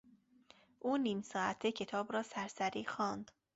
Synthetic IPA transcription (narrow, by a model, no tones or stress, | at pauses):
ʔuːniːmsɒːæt̪ʰːecʰe̞t̪ʰɒːbɾɒːsæɾsæɾiːxɒːnd̪̥